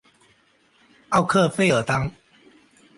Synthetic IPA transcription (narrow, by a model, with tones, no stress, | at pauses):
a˥˧˨ʊkʰə˥˨fe˥ɪə˨˩t̪a˥ŋ